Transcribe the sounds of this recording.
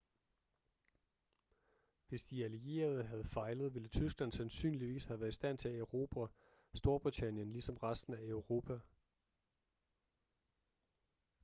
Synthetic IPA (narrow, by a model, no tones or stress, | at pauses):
ʋe̝sd̥iælie̝̰ːɐð̞̩ˠɦæð̞̩ˠfɑ̈ɪləð̞̩ˠʋe̝lət͡sʰysɡ̥læn̰sænsy̰ːnliʋḭːshæʋæːɐisd̥æn̰t͡sʰe̝æeʊʁo̝ːb̥ʰæ | sd̥o̝ɐb̥ʁit͡sʰæn̰jənlisɒ̽mʁasd̥n̩æeʊʁo̝ːpʰæ